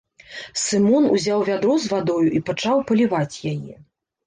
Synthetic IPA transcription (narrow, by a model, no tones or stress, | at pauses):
sɨmɔnṵzʲawvʲad̪ɾɔzvad̪ɔjuʔipat͡ʂawpɐlʲivat͡sʲjajɛ̰